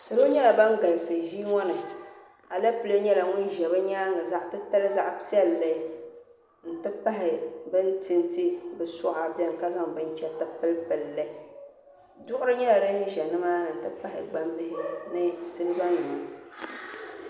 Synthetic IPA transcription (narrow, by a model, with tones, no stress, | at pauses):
sɨ˨ɾo˦ɲɛ˦la˨ba˦ŋ˦ɡa˨lsɨ˨ʒi˦ŋɔ˦nɨ˨ | a˨la˦pɨ˦lo˦ɲɛ˦la˨ŋʊ˦n˦ʒɛ˨βɨ˦ɲaː˦ŋa˨za˦ʔtɨ˦ta˦lɨ˦za˦ʔpi˦ɛ˦lːɛ˦ | n̩˨tɨ˦pa˦ɦɪ˨bɨ˦n˦tɨ˦nti˦bɨ˨sʊ˦ʔa˨bjɛ˦m˨ka˦za˦ŋbɨ˦n˦t͡ʃɛ˦tɨ˨pɨ˦lpɨ˨lːɛ˦ | dʊ˦ʔʊ˦ɾɨ˦ɲɛ˦la˨ɾɨ˦ʒɛ˨nɨ˦maː˦˨n̩˨tɨ˦pa˦ɦɪ̰˨ɡ͡ba˦m˦bɪ˦ɦɪ˦nɨ˦sɨ˦lɨ˦ba˦nɨ˨ma˨